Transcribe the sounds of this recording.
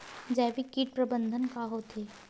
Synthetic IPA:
d͡ʒɛʋikiːʈ̚pɾəbənd̪ʱənkaɦoːt̪ʰeː

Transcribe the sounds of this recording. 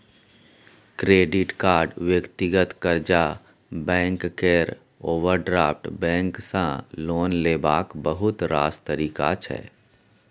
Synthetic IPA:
kɾeːɖɪʈkaːɾɖʋjəkt̪ɪɡət̪kəɾd͡ʒa | bɛ̃ːŋkːeɾ | oːʋəɾɖɾaːpʰʈbɛ̃ːŋksãloːnleːbaːkbəɦʊt̪ɾa̰ːst̪əɾiːka̰t͡ʃʰɛ̰ː

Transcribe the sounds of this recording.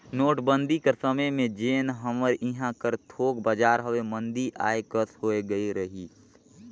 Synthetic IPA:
noːʈbə̃nd̪ʱikɐsəməjmẽd͡ʒeːnɦəməɾɪɦãkəɾt̪ʰoːk̚bəd͡ʒaːɾɦɐʋemə̃nd̪iʔa̰ːekəshoːeɡəiɾəɦiː

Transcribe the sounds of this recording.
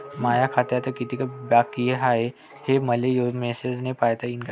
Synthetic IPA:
majakʰat̪jat̪əkit̪ikəbakːieɦaɦe | heməlejodmesed͡znepajt̪əink

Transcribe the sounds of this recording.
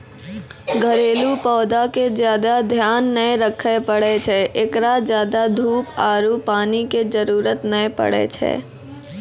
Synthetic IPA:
ɡʱəɾeːlupɔːd̪akezjaːd̪ad̪ʱjaːnːəeɾəkʰəpəɽet͡ʃʰɛʔekɾazjaːd̪ad̪ʱuːpaːɾupaːniked͡ʒəɾuːɾət̪nəepə̰ɽḛt͡ʃʰɛ̰ː

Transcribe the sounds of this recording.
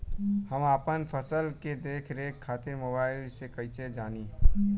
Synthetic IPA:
həmaːpənpʰəsəlked̪eːkʰɾekʰːaːt̪ɪɾmoːbaːɪlsekɐised͡ʒaːni

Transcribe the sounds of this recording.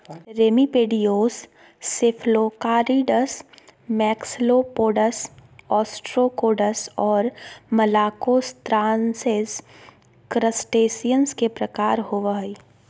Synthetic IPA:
ɾeːmipeːɖijoːsː | efʰloːkaːɾiɖəsmɛːksloːpoːɖəsɔːsʈɾokoːɖəsɔːɾmɐlaːkoːst̪ɾãːnsez | kɾəsʈeːsijənskepɾɐkaːɾɦoːʋəɦi

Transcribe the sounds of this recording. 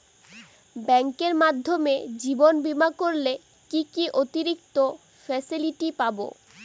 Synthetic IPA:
bɛŋkeɾmad̪ʱːomed͡ʑibonbimakoɾle | kikiʔot̪iɾik̚t̪o | fɛsiliʈipabo̰

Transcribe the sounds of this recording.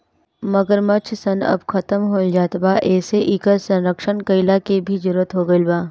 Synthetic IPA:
mɐɡəɾmɐt͡ʃʰsɐnɐ̰bkʰɐt̪əmɦoːld͡ʒaːt̪baːʔɛːseʔiːkəɾsɐ̃nɾəkʃənkɐɪlakebʱid͡ʒʊɾːət̪ɦoɡɐilbaː

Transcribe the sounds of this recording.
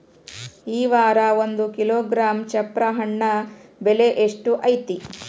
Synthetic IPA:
iːʋaːɾɐond̪ukiloːɡɾaːmt͡ʃɐpɾɐɦɐɳːɐbeleʔeʂʈuʔɐjt̪i

